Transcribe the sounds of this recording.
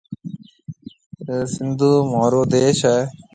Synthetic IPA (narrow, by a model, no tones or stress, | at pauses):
sɪnd̪ʱuːmaːɾoːd̪eːʃɛː